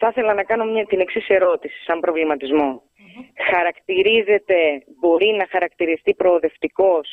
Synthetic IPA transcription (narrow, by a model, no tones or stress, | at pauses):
θɐθe̞lɐnɐkɐno̞mɲɐt̪ine̞ksise̞ɾo̞t̪isi̥sɐmbɾo̞vlimɐt̪izmo̞ | xɐɾɐkt̪iɾize̞t̪e̞bo̞ɾinɐxɐɾɐkt̪iɾist̪ipɾo̞ːðe̞ft̪iko̞s